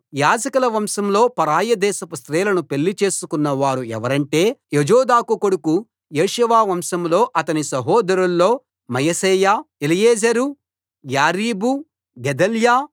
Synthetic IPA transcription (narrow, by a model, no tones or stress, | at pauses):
jaːd͡ʒɐkɐlɐʋɐmʃɐmlo̞ːpɐɾaːjɐd̪ɛːsɐpɐst̪ɾɛːlɐnupe̞lːit͡ʃe̞ːsukunːɐʋaːɾuɛ̰ʋɐɾɐɳʈe̞ːed͡ʒɔːd̪aːkukoɽuku | jeːʃʋaːʋɐmʃɐmlo̞ːʔɐt̪ɐnisɐɦɔːd̪ɐɾulːo̞ː | mɐjɐsɛːjaːelijeːd͡ʒɐɾu | jaːɾiːbu | ɡɛd̪ɐljaː